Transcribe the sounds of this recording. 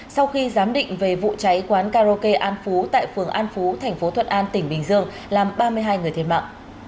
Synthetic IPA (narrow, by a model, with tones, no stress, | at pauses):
sa˧wxi˧zaː˨˦mɗḭ˧˨ŋ̟ve˨˩vṵ˧˨t͡ɕa˨˦jkwaː˨˦nkaː˧zo˧ke˧ʔaː˧nfu˨˦t̪a̰ː˧˨jfɨ˨˩əŋʔaː˧nfu˨˦t̪ʰɛ˨˩jŋ̟fo˨˦t̪ʰə˧˨n̚ʔaː˧nt̪ï˧˩ŋ̟ɓï˨˩ŋzɨ˧əŋ | laː˨˩mɓaː˧mɨ˧əjɦaː˧jŋɨ˨˩əjt̪ʰe˧˩ma̰ː˧˨ʔ